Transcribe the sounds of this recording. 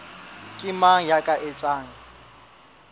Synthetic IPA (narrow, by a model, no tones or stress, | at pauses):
kʼɪmajakʼaʔet͡sʼaːŋ̩